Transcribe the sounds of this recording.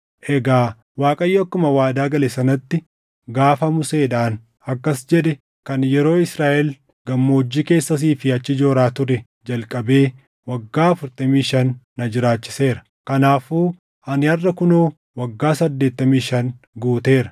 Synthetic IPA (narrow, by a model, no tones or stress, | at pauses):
ʔɛɡaː | waːkʼɐjːɐɐkːʊmɐwaːd̪aːɡɐlɛsɐnɐt̪ːɪ | ɡaːfɐmʊse̞ːᶑaːn | ɐkːɐsd͡ʒɛᶑɛ | kɐnjɛɾo̞ːɪsɾaːʔɛl | ɡɐmːoːd͡ʒːiːke̞ːsːɐs̬iːfɪɐt͡ʃːɪd͡ʒo̞ːɾaːt̪ʊɾɛ | d͡ʒɐlkʼɐbe̞ː | wɐɡːaːɐfʊɾt̪ʼɐmiːʃɐnː | ɐd͡ʒɪɾaːt͡ʃːɪ̥se̞ːɾɐ̥ | kɐnaːfuː | ɐnɪɐrːɐkʊnoː | wɐɡːaːsɐd̪ːeːt̪ːɐmiːʃɐn | ɡuːt̪e̞ːɾɐ